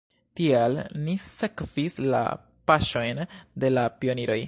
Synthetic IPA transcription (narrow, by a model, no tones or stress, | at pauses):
tialnise̞kv̥isla̰ | paʃo̞jnde̞lapio̞niɾo̞j